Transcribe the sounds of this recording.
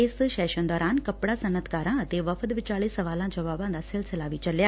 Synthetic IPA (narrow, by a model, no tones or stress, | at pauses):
eːsʃɛːʃənd̪ɔːɾaːnkɐpɽasɐnət̪kaːɾãət̪eʋɐfəd̪ʋɪt͡ʃaːɭisɐʋaːlãd͡ʒɐʋaːbãnd̪asɪlsəlaːʋit͡ʃɐljaː